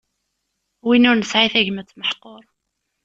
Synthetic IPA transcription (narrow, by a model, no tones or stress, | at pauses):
winʊɾnəsʕiθæʝmət͡sːməħqoɾˤ